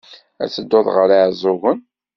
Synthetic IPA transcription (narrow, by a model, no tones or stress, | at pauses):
æ̰t͡sːəd̪ːoðˤʁəɾaʕzˤoɣən